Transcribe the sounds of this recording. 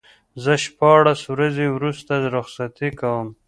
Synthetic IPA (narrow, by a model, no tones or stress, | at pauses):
zəʃpɑɽaswɾazewɾust̪aɾʊxsat̪ikawəm